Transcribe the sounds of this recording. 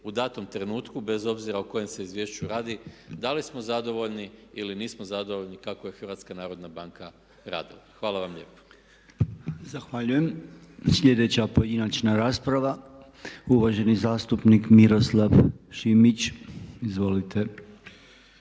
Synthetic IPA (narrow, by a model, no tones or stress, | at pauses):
ud̪aːt̪o̞mt̪ɾe̞nuːt̪kube̞zo̞bziɾauko̞je̞mse̞izʋjeːʃt͡ʃjuɾaːd̪id̪alismo̞zad̪o̞ʋo̞ʎniiliniːsmozad̪o̞ʋoʎʲnikakoje̞xəɾʋat̪skanaːɾo̞d̪nabaŋka | ɾa̰ːd̪ilˠaxʋaːlˠaʋamʎe̞ːpo̥ | zaxʋaʎuje̞msʎʲe̞d̪e̞t͡ɕapoje̞d̪inat͡ʃnaɾaːspɾaʋa | uʋaʒe̞nizaːst̪upnikmiɾo̞slˠaʋʃimit͡ɕizʋo̞lit̪ʰe̞